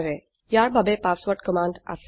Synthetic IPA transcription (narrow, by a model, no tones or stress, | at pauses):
ɾe | jaɾbʱabepaːsʋəɾʈkəmãːɳɖa̰s